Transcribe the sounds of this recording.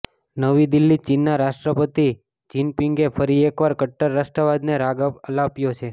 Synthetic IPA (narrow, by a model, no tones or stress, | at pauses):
nəʋid̪ilːit͡ʃinːaɾaʃʈɾəpət̪i | t͡ʃinpiŋɡefʰəɾiekʋaɾkəʈːəɾːasʈɾəʋad̪neɾaɡəlapjot͡ʃʰe